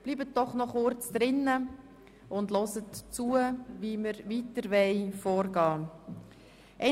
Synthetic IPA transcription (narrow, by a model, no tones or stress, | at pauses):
b̥liːbət̚dɔχnɔχʊɾt͡sd̪̥ɾɪnːə | ʊndlɔsətt͡suəviməɾʋitəɾʋɛɪfɔːɾɡɑː | ʔɛ